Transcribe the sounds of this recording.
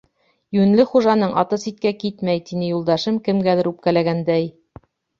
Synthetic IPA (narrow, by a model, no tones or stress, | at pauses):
jʉnlɘχuʒɑnɤɴʔɑ̰t̪ɤsit̪̚kækit̪mæjt̪inɘjulˠd̪ɑʃɤmkɘ̆mɡæðɘɾʉp̚kælæɡænd̪æj